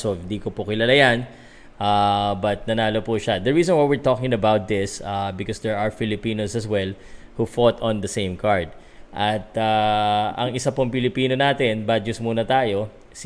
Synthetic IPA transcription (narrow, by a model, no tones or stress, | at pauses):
soɪ̃nd̪iːkopokɪlalajan | ʔabɐt̪̚nɐnaːlopuʃɐd̪ɐɹiːsɔ̃nwajwɪɹt̪okɪ̃ŋɐbawt̪̚d̪ɪsabɪkɔsd̪ɛɹaɹfɪlɪpiːnosɐswɛl | hufot̪ɔ̃nd̪ɐsẽjmkaɹd̪̚ | ʔɐt̪aʔɐ̰ŋɪsapoŋpɪlɪpiːnonaːt̪ɛnbad͡ʒʊsmuːnɐt̪aːjo̞ | s